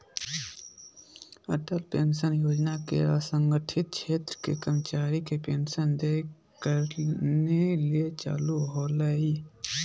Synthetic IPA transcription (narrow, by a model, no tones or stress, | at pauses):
əʈəlpeːnʃənjoːd͡ʒnakḛasə̃ŋɡəʈʰɪt̪̚t͡ʃʰeːt̪ɾəkekəmət͡ʃaːɾikepeːnʃənd̪e | kəɾneliet͡ʃa̰ːluɦoləi